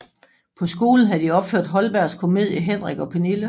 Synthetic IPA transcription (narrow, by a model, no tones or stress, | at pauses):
pʰɒ̽sɡ̥o̝ːln̩ɦæd̥iɒ̽b̥føɐ̰d̥ɦɒ̽lb̥æɐ̰skʰo̝me̝ð̰ˠjəɦen̰ʁiɡ̥ɒ̽pʰe̝nilə